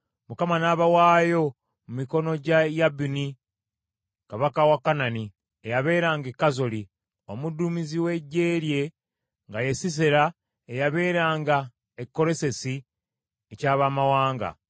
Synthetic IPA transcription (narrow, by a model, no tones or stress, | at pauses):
mukamanaβawaːjo̞ | mumiko̞no̞ɟajabini | kaβakawakːanani | ejaβe̞ːɾaːŋɡekːazo̞li | o̞mudːumiziwe̞ɟːe̞ːɾje̞ | ŋɡaje̞sis̬eɾa | ejaβe̞ːɾaːŋɡa | ekːo̞ɾe̞se̞si | ecaːβamawaːŋɡa̰